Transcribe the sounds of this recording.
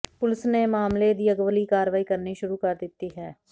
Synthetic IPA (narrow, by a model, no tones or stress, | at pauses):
pʊlɪsneːmaːmled̪iːəɡʋəliːkaːɾʋaːiːkəɾniːʃʊɾuːkəɾd̪ɪt̪ːiːɦɛː